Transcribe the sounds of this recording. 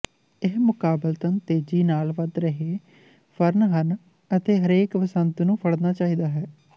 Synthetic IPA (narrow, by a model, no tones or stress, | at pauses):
ɪɦmʊkaːbəlt̪ənt̪eːd͡ʒiːnaːlʋəd̪ɾəɦeː | pʰəɾnɦən | ət̪eːɦəɾeːkʋəsənt̪nũːpʰəɽnaːt͡ʃaːiːd̪aːɦɛː